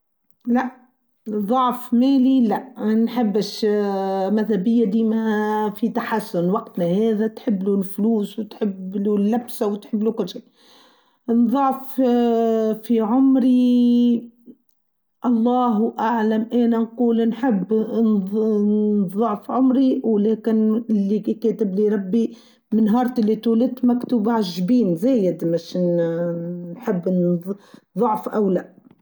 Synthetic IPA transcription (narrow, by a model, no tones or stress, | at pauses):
læʔ | ðˤɑʕfmæːlilæʔnħɪbːɪʃ | mæðhæbɪjːad̪iːmhæfit̪aħasːʊnwɑqt̪næhɛːðæt̪ħɪbːlulfluːswɪt̪ħɪbːlulːæbsawɪt̪ħɪbːlukʊlːʃiː | nðˤɑʕf | fiʕʊmɾi | ʔɑlˤːɑːɦʔaʕlamʔeːnanquːlnħɪbː | ðˤɑʕfʕʊmɾiwleːkɪnɪlːikeːt̪ɪbliɾˤɑbːi | mɪnɦɑːɾˤt̪ʔɪlːit̪uːlɪt̪makt̪uːbʕaʒbiːnzeːjɪd̪maʃn | nħɪbː | ðˤʊʕfʔawlaʔ